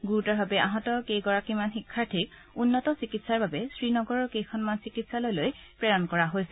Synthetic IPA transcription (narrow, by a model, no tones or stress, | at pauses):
ɡuɹutɔɹbʱabɛaɦɔtɔkejɡɔɹakimanxikʰːaɹtʰik̚ | unːɔtɔsikitsaɹbabɛsɹinɔɡɔɹɔɹkejkʰɔnmansikitsalojlojpɹɛɹɔnkɔɹaɦojsɛ